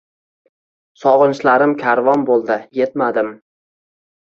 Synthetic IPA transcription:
sɒʁɨnʃlaɾɪmkʲʰaɾvɒnbolˠd̪ɪje̞t̪̚mad̪ɪm

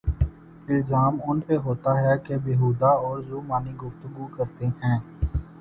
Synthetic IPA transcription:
ɪlzaːmʊnpeɦoːt̪aɦɛkebeɦuːd̪aɔːɾzuːmaːniɡʊft̪əɡukɐɾt̪eɦɛ̃ː

